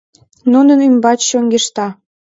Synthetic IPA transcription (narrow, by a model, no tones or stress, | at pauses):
nunənymbɑt͡ɕɕoŋɡeʃt̪ɑ